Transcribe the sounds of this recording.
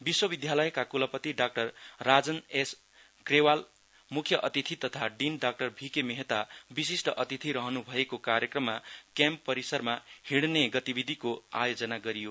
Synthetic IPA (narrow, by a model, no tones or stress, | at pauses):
biswʌbid̪ʱjalʌjkakulʌpʌt̪iɖak̚ʈʌrːad͡zʌnes | krewal | mukʰjʌʔʌt̪it̪ʰit̪ʌt̪ʰaɖinɖak̚ʈʌrbʱikemeɦet̪abisisʈʌʔʌt̪it̪ʰiɾʌɦʌnubʱʌekokaɾjʌkrʌmːakjampːʌɾisʌrmahiɽneɡʌt̪ibid̪ʱikoa̰jod͡zʌnaɡʌɾijo